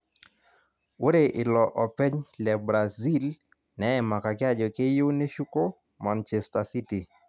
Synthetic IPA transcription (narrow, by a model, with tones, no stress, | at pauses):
wo˦ɾe˨ʔɪ˨lɔ˨ʔɔ˨pɛ˦ɲlɛ˨bɾa˨zi˦l | nɛ˦ɛ˨ma˨ka˨kɪ˦a˦d͡ʒɔ˨ke˦jo˦ne˦ʃu˦ko˦ | ma˨nt͡ʃɛ˨sta˨si˦ti˨